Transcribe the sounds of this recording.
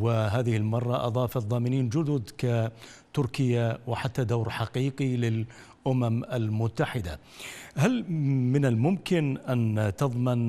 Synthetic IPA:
wɪɦaːðɪhɪlmɑrˤːɑʔɑ̰ðˤɑːfɑðˤːɑːmɪniːnd͡ʒʊd̪ʊd̪kat̪ʊɾkɪjːawɪħat̪ːad̪awɾħɑqiːqilɪl | ʔʊmamalmʊt̪ːaħɪd̪a̰ | halmɪnalmʊmkɪnʔant̪ɑðˤmɪn

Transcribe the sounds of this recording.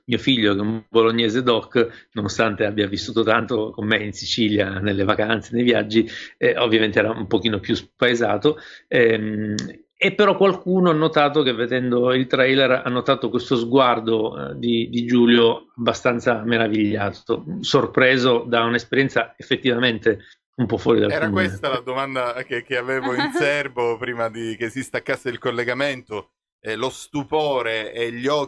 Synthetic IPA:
miːofiʎːokeumboloɲːeːzed̪ɔkːnonost̪ant̪eabːiavisːuːt̪ot̪ant̪okomːeinsit͡ʃiljanelːevakant̪senejvja̰d͡ʒːiovːjament̪eɛːɾaumpok̟iːnopjuspaeza̰ːt̪oɛm | epːeɾɔkːwalkuːnoanːot̪aːt̪ok̟evːed̪ɛnd̪oilt̪ɾɛjlɛra̰nːot̪aːt̪okwest̪ozɡward̪od̪id̪id͡ʒuːljoabːast̪ant̪sameɾaviʎːaːt̪o̰sorpɾeːzod̪aunespeɾjɛnt̪saefːet̪ːivament̪e | umpɔfːwɔːɾid̪alɛːɾaumkwensett̪alad̪omand̪akek̟eaveːvoinsɛrbopɾiːmad̪ikesːist̪akːasːeilkolːeɡament̪o | lost̪upoːɾeːʎːɔ

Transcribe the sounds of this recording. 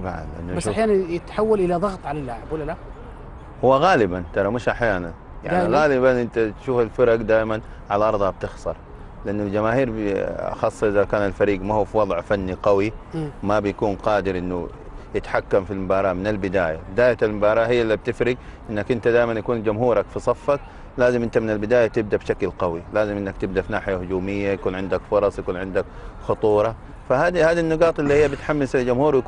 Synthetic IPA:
t̪ˤɑbʕa̰nlɪʔa̰nːubasʃħjaːnanjɪt̪ħawːalʔɪlaðˤɑɣt̪ˤʕalalːaʕɪbwʊlːala | hʊwːaɣaːlɪbant̪ɑɾˤɑmɪʃʔaħjaːnan | ja̰ʕniɣaːlɪbanʔɪnt̪at̪ʃuːfalfɪɾɑɡd̪aːjman | ʕalaʔɑɾˤðˤhab̚t̪ɪxsˤɑɾˤ | lɪʔanːʊld͡ʒamaːhiːɾbɑ̰xɑsˤːʔɪðakaːnalfaɾiːɡmahuːfiwɑðˤʕfanːiqɑwimabjakuːnqɑːd̪ɪɾʔɪnːujɪt̪ħakːamfilmʊbɑːɾˤɑːmɪnalbɪd̪aːjabɪd̪aːjaalmʊbɑːɾˤɑːhɪjːlːib̚t̪ɪfɾɪɡʔɪnːakʔɪnt̪ad̪aːjmanjakuːnd͡ʒʊmhuːɾˤɑkfisˤɑfːak | laːzɪmʔɪnt̪amɪnalbɪd̪aːjat̪ɪb̚d̪abʃaklqɑwilaːzɪmʔɪnːakt̪ɪbd̪afinaːħɪjahʊd͡ʒuːmɪjːajakuːnʕɪnd̪akfʊɾˤɑsˤjakuːnʕɪnd̪ak | xʊt̪ˤuːɾˤɑ | fahaːd̪ihaːd̪inːɪɡɑːt̪ˤɪlːihijːabɪt̪ħamːɪsald͡ʒʊmhuːɾwj

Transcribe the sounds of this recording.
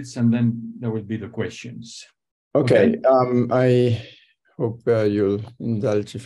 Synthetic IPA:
tsə̃nðɛ̃nðəwɪlbiðəkwɛst͡ʃɨ̃nz̥ | okeɪʌmaj | hoːpʌjulɪ̃nd̪ʌld͡ʒf

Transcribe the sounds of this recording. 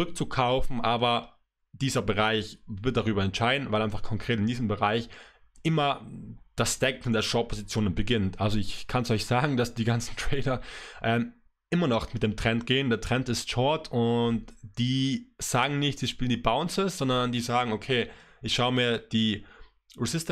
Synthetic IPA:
t͡sʊʁʏk̚t͡sukʰaʊfn̩ʔaːbɐ | d̥iːzɐbəʁaɪçvɪɐt̚d̥aʁyːbɐɛntʃaɪdn̩vaɪlaɪnfaχkʰɔŋkʁ̥eːtɪndiːzəm̩bəʁaɪç | ʔɪmɐd̥asd̥ɛkn̩deːɐʃɔʊpʰozit͡sjoːnənbəɡɪntʔalzoɪçkʰansʔɔʏçz̥aːɡŋ̩dasd̥iːɡant͡sn̩tʁ̥ɛɪdɐʔɛːm | ʔɪmɐnɔχmɪt̚d̥eːmtʁ̥ɛntɡ̥eːəndeːɐtʁ̥ɛntɪstʃɔɐtʰʊntd̥iːz̥aːɡŋ̩nɪçtz̥iːʃpiːlndiːbaʊnsɪsz̥ɔndɐɐndiːzaːɡŋ̩okʰeː | ʔɪçʃaʊəmiːɐd̥iː | ʁɪzɪst

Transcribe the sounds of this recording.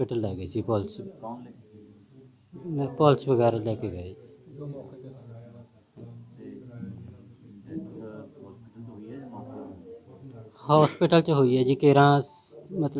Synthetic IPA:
pɪʈəlːɛːɡəisipɔːlt͡ʃ | mpɔːlt͡ʃbəɡɛːɾalɛːkeɡəei | hɔːspɪʈəlt͡ʃəɦoːiɦɛːd͡ʒiːkeːɾãːs | mət̪l

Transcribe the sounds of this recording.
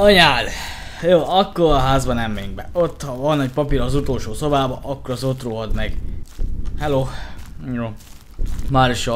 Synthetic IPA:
ɒɲaːl | joːɒkːoɾɒɦaːzbɒnɛmːɛyŋɡ̚bɛ̰ot̪ːhɒvɒnːɒcpɒpiɾɒzut̪oːlʃoːso̞baːbɒʔɒkːoɾɒzot̪roːɦɒd̪mɛɡ | hɛloːjoː | maːɾiʃo

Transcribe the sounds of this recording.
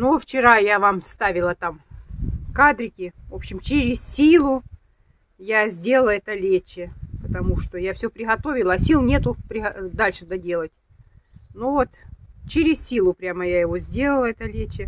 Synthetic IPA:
noft͡ɕɪɾajavamst̪avʲɪlˠət̪am | kad̪ɾʲɪkʲɪvo̞pɕːɪmt͡ɕɪɾʲɪssʲilˠʊ | jazʲdʲe̞lˠəlˠəɛt̪əlʲet͡ɕːɪpət̪ɐmuʂt̪ojafsʲɵpɾʲɪɣɐt̪o̞vʲɪlˠəːsʲilˠnʲe̞t̪ʊpɾʲɪɣɐd̪alʲʂɨd̪ɐdʲe̞lˠətʲ | novot̪t͡ɕɪɾʲɪssʲilˠʊpɾʲaməjajɪvozʲdʲe̞lˠəlˠəɛt̪əlʲet͡ɕːɪ

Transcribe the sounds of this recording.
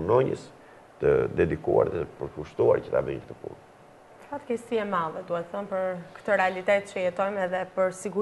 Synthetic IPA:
nɔɲə̰s | t̪əd̪ɛd̪ikua̰ɾðɛəpəɾkuʃt̪ua̰ɾcət̪a̰vḭɲk̚t̪əpṵl | t̪əfat̪kɛst̪iɛmalˠɛd̪uhɛt̪əθənpəɾkt̪əɾɛalit̪ɛt̪t͡ʃəjɛt̪ɔjmɛðɛpəɾsiɡu

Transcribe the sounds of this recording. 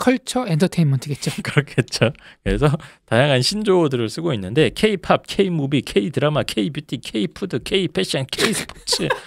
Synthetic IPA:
kʰʌɭt͡ɕʰʌendʰʌtʰeinmʌntʰɯɡet̚t͡ɕ͈okɯɾʌkʰe̞t̚t͡ɕ͈okɯɾe̞sʰʌtajaŋanɕʰind͡ʑodɯɾɯɭs͈ɯɡoinːɯnde̞kʰe̞ipʰap̚kʰe̞imubikʰeidɯɾamakʰe̞ibjitʰikʰe̞ipʰudɯkʰeipʰeɕ͈iankʰeisʰɯ̥pʰot͡ɕʰɯ

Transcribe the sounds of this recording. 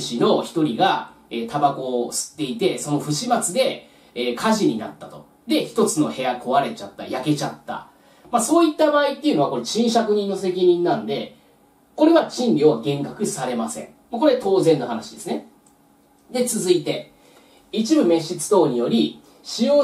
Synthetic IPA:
ɕino̞çi̥t̪o̞ɾʲiɡa | eːt̪abako̞sɨ̥t̪ːe̞it̪e̞so̞no̞ɸɯ̟ɕimat͡sɨd̪e̞ː | kʰaʑiɲ̟ina̰t̪ːat̪o̞ | d̪e̞çi̥t̪o̞t͡sɨno̞he̞jakʰo̞βaɾe̞t͡ɕat̪ːa̰jake̞t͡ɕa̰t̪ːa̰ | maso̞ːit̪ːabaːit̪ːe̞iɯ̟noakoɾe̞ɕĩɰ̃ɕakɯ̟ɲ̟ĩnːo̞se̞k̬ʲiɲ̟ĩnːãnd̪e̞ | ko̞ɾe̞ɡat͡ɕĩnbʲioaɡẽ̞ŋkakɯ̟saɾe̞masẽ̞̰ɴ | mako̞ɾe̞t̪o̞ːzẽ̞nːoɦanaɕid̪e̞sɨne | d̪e̞t͡sɨzɨit̪e̞ | it͡ɕibɯ̟me̞ɕit͡sɨ̥t̪o̞ːɲ̟ijo̞ɾʲi | ɕijo̞ː

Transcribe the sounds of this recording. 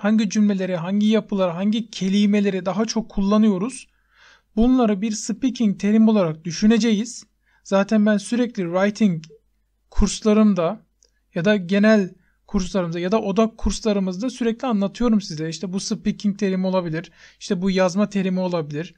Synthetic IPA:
haɲɟid͡ʒymlʲe̞lʲe̞ɾɛɦaɲɟijapʰɯlˠaɾaɦaɲɟicʰe̞lʲime̞lʲe̞ɾid̪aɦat͡ʃʰo̞kʰːulˠːanɯjo̞ɾuz̥ | bunlˠaɾɯbiɾsɯpːicʰiɲ̚t̪ʰe̞ɾimo̞lˠaɾak̚d̪yʃyne̞d͡ʒe̞jiz̥ | zaːt̪ʰænbænsyɾɛclʲiɾajt̪ʰiɲ | kʰuɾslˠaɾɯmd̪a | jad̪aɟe̞nælʲ | kʰuɾslˠaɾɯmzajad̪aʔo̞d̪akʰːuɾslˠaɾɯmɯzd̪asyɾɛclʲianlːˠat̪ʰɯjo̞ɾumsizɛiʃt̪ʰɛbusɯpːicʰiɲc̚t̪ʰe̞ɾimo̞lˠabilʲiɾ̥iʃt̪ʰɛbujazmat̪ʰe̞ɾimio̞lˠabilʲiɾ̥

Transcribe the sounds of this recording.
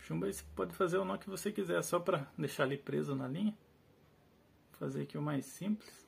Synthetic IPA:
ʃũmbɐispɔd̪ɪfazeɾonɐ̃kɪvosekizɛɾsɔpɾɐd̪eʃaɾlipɾezʊnɐlĩɲɐ | fazeɾakiʊmajsĩplɪs

